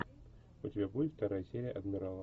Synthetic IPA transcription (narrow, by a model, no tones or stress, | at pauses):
ʊtʲɪbʲabudʲɪt̪ft̪ɐɾajəsʲeɾʲɪjəʔɐd̪mʲɪɾalˠ